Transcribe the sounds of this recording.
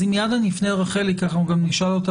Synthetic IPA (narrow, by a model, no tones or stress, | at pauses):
imjad̪anifneʁaχelikaχauɡamniʃalot̪a